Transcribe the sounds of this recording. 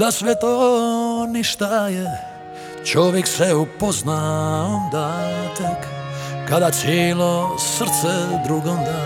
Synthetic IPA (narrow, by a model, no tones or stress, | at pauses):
d̪asʋɛt̪o | niʃt̪aje | t͡ʃoʋjeksɛupoznaond̪at̪ekkad̪at̪sjeːlosr̩t̪sɛd̪ɾuɡomd̪a